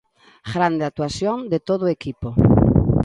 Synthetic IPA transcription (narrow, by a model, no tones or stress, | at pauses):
ɣɾand̪eat̪uasjoŋd̪et̪oð̞oekipo